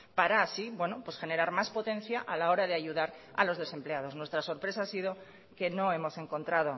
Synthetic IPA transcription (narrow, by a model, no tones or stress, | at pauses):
paɾaːsibwe̞nopwe̞sxe̞ne̞ɾaɾmaspo̞t̪ẽ̞n̟θjaʔalao̞ɾað̞e̞aʝuðaɾa̰lo̞zð̞e̞se̞mpleað̞o̞znwest̪ɾaso̞ɾpɾe̞s̬aasið̞o̞ | ke̞no̞e̞mo̞se̞ŋko̞nt̪ɾað̞o̞